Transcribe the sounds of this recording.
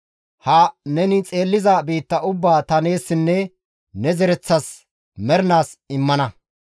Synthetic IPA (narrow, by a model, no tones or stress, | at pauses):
hɐnɛnɪt͡sʼe̞ːlːɪzabiːt̪ːɐʔʊbːaːt̪ɐne̞ːsːɪnːɛ | nɛzɛɾɛt͡sːɐs | mɛɾnaːsɪmːɐnɐ